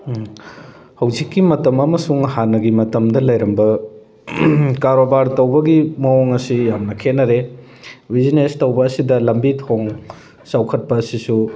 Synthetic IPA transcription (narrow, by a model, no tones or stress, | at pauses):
hɐwzikːimɐtɐmɐmɐsuŋhanːɐɡimɐtɐmdɐlɐjɾɐmbɐ | kaɾobaɾtɐwbɐɡimɐoŋɐsijamnɐkʰenːɐɾe | bizinestɐwbɐːsidɐlɐmbitʰoŋ | sawkʰɐt̚pɐːsisu